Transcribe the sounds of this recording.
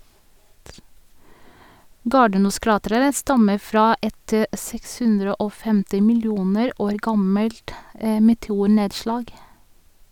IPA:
ˈɡɑːɖəˌnuːˌskɹɑːtɾəɹə ˈstɑmə ˈfɾɑː ˈʔɛt ə ˈsɛks ˈhʉnɾə ˈʔoː ˈfɛmtɪ mɪlˈjuːnəɾ ˈoːɾ ˈɡɑməlt ə mɛtɛˈuːˌɳeːdˌʃlɑːɡ

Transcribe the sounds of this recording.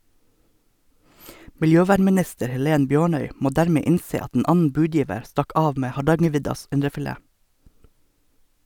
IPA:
mɪlˈjøːˌʋæːɳmɪˌnɪstəɾ hɛˈleːn ˈbjøːɳœʏ ˈmoː ˈdæːɾmeː ˈɪnseː ˈɑt n̩ ˈʔɑːn̩ ˈbʉːˌdjiːʋəɾ ˈstɑk ˈɑːʋ ˈmeː hɑˈɖɑŋəˌʋɪdɑs ˈɪnɖəfɪˌleː

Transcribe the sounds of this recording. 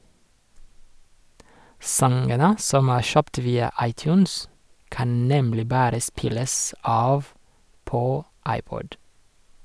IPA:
ˈsɑŋɡənə ˈsɔm ˈæː ˈʃœpt ˈʋiːɑ ˈɑɪˌtjʉːns ˈkɑn ˈnɛmlɪ ˈbɑːɾə ˈspɪləs ˈɑːʋ ˈpoː ˈɑɪˌpɔd

